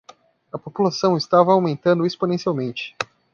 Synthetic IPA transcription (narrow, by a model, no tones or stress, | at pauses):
ɐpopulasɐ̃w̃ɪst̪avɐawmẽnt̪ɐ̃nd̪ʊesponẽsiawmẽnt͡ʃɪ̥